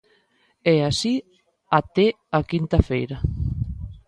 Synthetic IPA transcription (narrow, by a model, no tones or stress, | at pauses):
ɛasi | at̪e | akint̪afejɾa